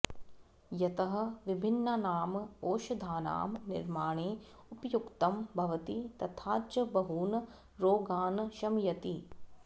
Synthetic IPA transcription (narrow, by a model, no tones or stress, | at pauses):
jɐt̪ɐɦɐ̆ʋibʱinːɐnaːmoːʃɐd̪ʱaːna̰ːmnɪɾmaːɳeː | upɐjukt̪ɐmbʱɐʋɐt̪it̪ɐt̪ʰaːt͡ʃɐbɐɦuːnɐ | ɾoːɡaːnʃɐmjɐt̪i